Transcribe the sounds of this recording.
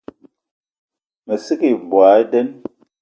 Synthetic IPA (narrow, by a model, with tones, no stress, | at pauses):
me˨si˦ki˦˨bwa˨˦i˦dɛ˦n